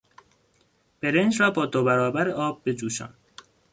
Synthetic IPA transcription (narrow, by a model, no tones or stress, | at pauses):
b̥e̞ɾend͡ʒɾɒːbɒːd̪obæɾɒːbæɾeʔɒːb̚ːed͡ʒuːʃɒ̰ːn